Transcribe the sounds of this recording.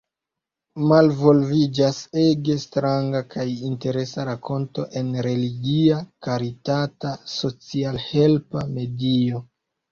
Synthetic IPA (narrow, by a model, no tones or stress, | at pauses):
malvo̞lvid͡ʒase̞ɡe̞stɾaŋɡakʰajinte̞ɾe̞saɾako̞nto̞ʔe̞nɾe̞liɡiakaɾitataso̞t͡sialhe̞lpame̞dio̞